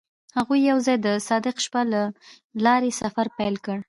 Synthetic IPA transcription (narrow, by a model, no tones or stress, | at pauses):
haɣujːawzɑjd̪əsɑd̪ɪqʃpala | lɑɾesafaɾpajlkəɽ